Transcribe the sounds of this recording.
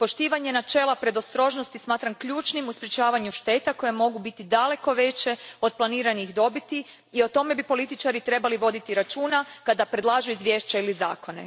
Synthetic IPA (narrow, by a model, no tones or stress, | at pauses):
po̞ʃt̪iːʋaɲe̞nat͡ʃe̞ːlˠapɾe̞d̪o̞st̪ɾo̞ʒnost̪ismaːt̪ɾamkʎuːt͡ʃnimuspɾjet͡ʃaːʋaɲuʃt̪e̞t̪ako̞jemo̞ɡubit̪id̪ale̞ko̞ʋe̞t͡ʃe̞o̞d̪̚plˠaniːɾanixd̪o̞bit̪i | io̞t̪o̞me̞bipo̞lit̪it͡ʃaɾit̪ɾe̞baliʋo̞d̪it̪iɾat͡ʃuːnakad̪apɾed̪lˠaːʒuizʋje̞ːʃt͡ɕailizaːko̞ne̞̰